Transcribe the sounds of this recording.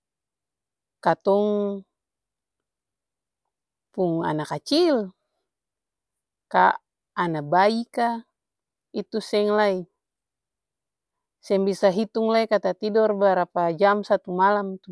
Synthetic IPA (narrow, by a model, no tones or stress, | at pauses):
kat̪ɔŋ | puŋa̰nakat͡ʃil | kaː | nabaika | it̪usɛŋlai | sɛŋbisaɦit̪uŋlaikat̪at̪idɔrbaɾapad͡ʒamsat̪umalamt̪u